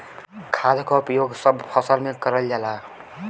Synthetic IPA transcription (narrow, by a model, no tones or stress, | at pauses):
kʰad̪ʱkɔupjoɡsəbpʰəsəlmekəɾəld͡ʒala